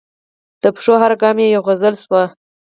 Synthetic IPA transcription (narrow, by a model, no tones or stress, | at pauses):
d̪̥əpʂoɦaɾaɡɑmjejoɣazəlswa